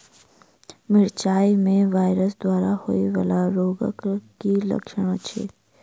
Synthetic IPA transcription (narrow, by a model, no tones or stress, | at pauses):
mɪɽt͡ʃaːimẽʋaːɪɾəsd̪waːɾaho̰ːiʋə̰laɾoːɡə̰kkilɐ̰kʃəɽ̃ot͡ʃʰḛː